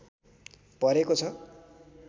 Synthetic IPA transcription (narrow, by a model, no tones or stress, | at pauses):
pʌɾekot͡sʰʌ